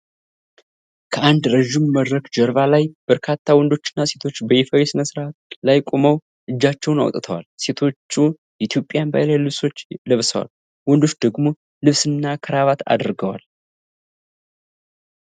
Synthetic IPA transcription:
kʰəand̪ɾəʒːɪmːəd̪ɾəkd͡ʒəɾβalajb̥əɾkʰat̪ʰːawɔnd̪o̞t͡ʃːɪ̥nːase̞t̪ʰo̞t͡ʃːbəjɛfəwɛsɨnəsɨɾat̪lajkʼo̞məw | ʔɨd͡ʒːat͡ʃːɛwna̰w̰t̪ʼt̪ʰəwa̰lse̞t̪ʰo̞t͡ʃːu | jɛʔɪt̪ʰjo̞pʼjanba̰jlajlɨβso̞t͡ʃːləβsəwa̰l | wɔnd̪o̞t͡ʃːd̪əɡmo̞ | lɨβsɨnːakʰəɾaβat̪a̰d̪ɾɡəwa̰l

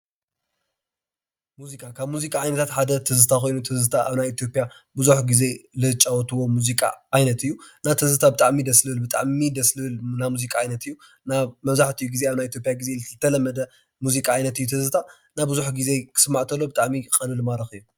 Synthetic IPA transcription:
muzikʼakʰaβmuzikʼaʕajnɐt̪ʰat̪ħad̪ɐt̪ʰɨzɨt̪ʰako̞jnut̪ʰɨzɨt̪ʰaʔaβnajit̪ʰjo̞pʼjabuzuħɡize̞lɨt͡ʃʼːawɔt̪ʰɨwo̞muzikʼa̰ʔajnɐt̪ɨjːunat̪ʰɨzɨt̪ʰabɨt̪ʼaʕmid̪ɐslɨɨlbɨt̪ʼa̰ʕmid̪ɐslɨɨlnamuzikʼaʕajnɐt̪ʰɨjːu | naβmɐβzaħt̪ʰijuɡize̞aβnajit̪ʰjo̞pʼjaɡize̞lɨt̪ʰːɐlɐmːɐd̪ɐ | muzikʼaajnɐt̪ɨjːut̪ʰɨzɨt̪ʰa | nabɨzuħɡize̞kʰɨ̥sɨmːaʕt̪ʰɐlːo̞bɨt̪ʼaʕmikʼɐnɨlumaɾɐxɨjːu

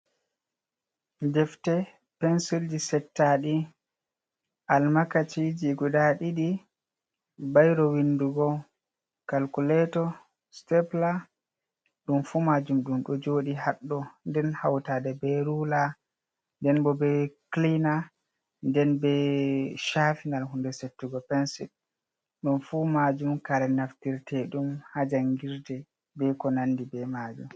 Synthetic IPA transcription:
d͡ʒɛftɛ | pɛnsild͡ʒisɛtːaɗi | ʔalmakat͡ʃid͡ʒiɡudaɗiɗi | bajɾɔwinduɡɔ | kalkulɛtɔ | stɛpla | ɗumfumad͡ʒumɗumɗɔd͡ʒoːɗihaɗːɔndɛnhawtadɛbɛɾula | ndɛnbɔbɛklina | ndɛnbɛʃafinalhundɛsetːuɡɔpɛnsit | ɗumfumad͡ʒumkaɾɛnaftiɾtʰɛɗumhad͡ʒaŋɡiɾdɛ | bɛkɔnandibɛmad͡ʒum

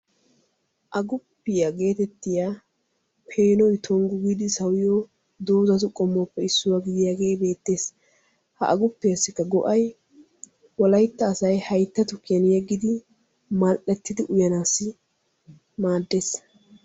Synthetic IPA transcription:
ʔɐɡʊpːɪjaɡe̞ːt̪ɛt̪ːɪjaː | pʰe̞ːnɔjt̪ʰɔŋɡʊɡid̪ɪsɐwɪjo | d̪oːzɐt̪̬ʊkʼɔmːopːɛɪsːʊwaːɡɪd̪ɪjaːɡe̞ːjbe̞ːt̪ːe̞ːs | hɐ̰ʔɐɡʊpːɪjɐsːɪkːɐɡɔ̰ʔɐj | wɔlɐjt̪ːɐːsɐjhɐjt̪ːɐt̪ʊkɪɛnɪjɛɡːɪd̪ɪ | mɐlʔɛt̪ːɪd̪ɪʔʊjɐnaːsːɪ | maːd̪ːe̞ːs

